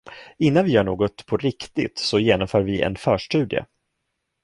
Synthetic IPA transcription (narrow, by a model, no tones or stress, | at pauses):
ɪnːanvɪjœːɳoːɡɔt̪pʰɔɾɪkt̪ɪt̪sɔjeːnɔmfœːɾvɪɛ̰nfœːʂʈʉ̟ːd̪ɪə̰